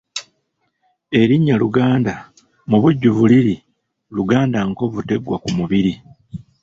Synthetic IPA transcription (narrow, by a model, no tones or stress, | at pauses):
e̞ɾiɲːaluɡaːnda | muβuɟːuβuliɾi | luɡaːndaŋko̞βute̞ɡwakumuβiɾi